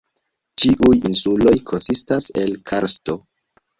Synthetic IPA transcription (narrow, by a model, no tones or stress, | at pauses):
t͡ʃiʔujḭnsulo̞jkʰo̞nsistase̞lkʰaɾsto̞